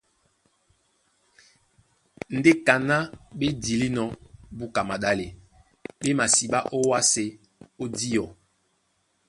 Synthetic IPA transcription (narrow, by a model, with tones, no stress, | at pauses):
n̩˨˦de˦ka˨na˦ɓe˦di˨li˦nɔ˨bu˦ka˨ma˨ɗa˦le˨ | ɓe˦ma˨si˨ɓa˦ʔo˦wa˦se˨ | o˦di˦jɔ˨